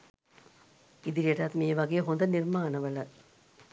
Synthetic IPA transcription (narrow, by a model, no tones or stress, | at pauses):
id̪iɾijɐʈaːt̪meːɐʋɐɡejɐɦond̪ɐnirmaːnɐʋɐlɐ